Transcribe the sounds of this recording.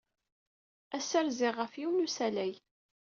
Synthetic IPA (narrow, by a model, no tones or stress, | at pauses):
æsəɾzɪʁəfjiwnusælæj